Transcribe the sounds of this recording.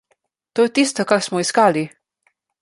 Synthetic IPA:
t̪oːjɛt̪ist̪ɔkaɾsmɔiskaːli

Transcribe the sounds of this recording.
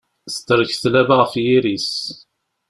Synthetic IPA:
st̪ːəɾəçθlævaʁəfjiɾis

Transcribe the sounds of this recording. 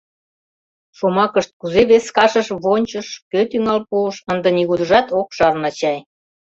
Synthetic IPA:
ʃomɑkəʃt̪̚kuzeβeskɑʃəʃβonʲt͡ɕəʃkøt̪yŋɑlpuʃənd̪ə̆niɣud̪əʒɑt̪okʃɑrnɑt͡ɕɑj

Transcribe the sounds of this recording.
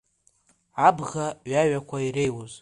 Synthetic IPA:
abʁaɥaɥakʷʰaire̞jwoz

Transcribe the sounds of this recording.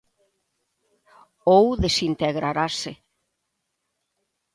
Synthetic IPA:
owðsint̪ɛɣɾaɾasɪ

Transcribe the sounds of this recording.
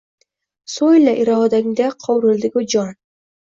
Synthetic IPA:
sojlaʔɪɾɒd̪aŋd̪aqʰɒwɾɪld̪ɪɡʲʊd͡ʒɒn

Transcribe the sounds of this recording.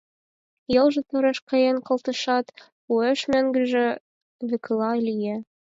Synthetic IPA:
jɤ̆lˠʒɤ̆t̪ɤ̆ɾɤ̆ʃqɑ̆jenqɤ̆lˠt̪ɤ̆ʃɑt̪ | ueʃmæŋɡɘ̆ʒɘ̆ | vɘ̆klˠɑlʲije

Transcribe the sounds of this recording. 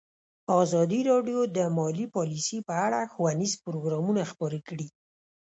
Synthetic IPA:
ɑzɑd̪iɾɑɖjod̪əmɑlipɑlisipəaɽaxwanizpʊɾoɡɾɑmunaxpɑɾekɽi

